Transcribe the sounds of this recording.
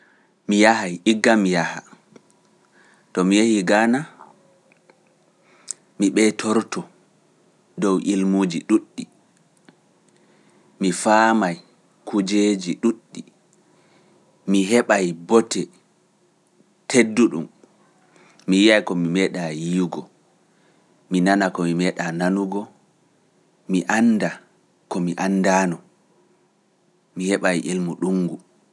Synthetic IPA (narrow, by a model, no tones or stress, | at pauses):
mijahajiɡːamijaha̰ | tɔmijehiɡana | miɓɛtʰɔɾtɔ | dɔwʔilmud͡ʒiɗuɗːi | mifaːmaj | kud͡ʒeːd͡ʒiɗuɗːi | miɦɛɓajbɔtʰɛ | tʰedːuɗum | mijijajkɔmimɛɗajiɡɔ | minanakɔmimɛɗananuɡɔ | miʔanːda | kɔmiʔanːdaːnɔ | mihɛɓajʔelmuɗuŋɡu